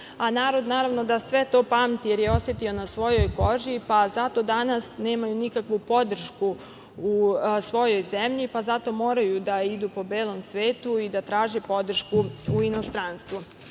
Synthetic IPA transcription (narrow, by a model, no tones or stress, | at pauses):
anaːɾo̞d̪naːɾaʋno̞d̪asʋe̞t̪o̞ːpaːmt̪ijeɾjeo̞sjet̪io̞nasʋo̞jo̞jko̞ʒipazat̪o̞d̪anasne̞ːmajunikakʋupo̞d̪r̩ʃku | usʋo̞jo̞jzemʎipazat̪o̞mo̞ːɾajud̪aid̪upo̞be̞ːlˠo̞msʋe̞ːt̪uid̪at̪ɾaːʒepo̞d̪r̩ʃkuuino̞st̪ɾanst̪ʋu